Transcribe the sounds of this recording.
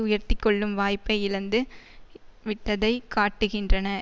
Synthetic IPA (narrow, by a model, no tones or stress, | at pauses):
ʊjɐɾt̪ɪkːɔɭːɯmʋaːjpːɐɪɪlɐnd̪ɯ | ʋɪʈːɐðɐɪkaːʈːɯɣɪndrɐnɐ